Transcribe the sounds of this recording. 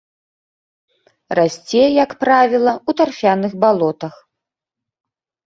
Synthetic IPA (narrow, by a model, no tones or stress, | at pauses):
rasʲt͡sʲɛjɐkpɾavʲilˠɐut̪arfʲanɨxbalˠɔt̪ɐx